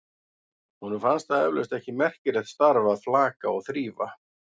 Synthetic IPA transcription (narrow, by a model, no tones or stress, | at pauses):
hunʏmfanst̪aɛvlœst̪ɛhcɪmɛr̥cɪɾɛðst̪aɾvaːðflaːkaɔɣθɾiːva̰